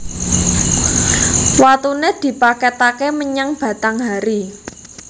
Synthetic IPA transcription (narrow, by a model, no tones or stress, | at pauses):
wat̪uned̪̥i̤paket̪akeməɲaŋb̥ä̤t̪aŋɦaɾi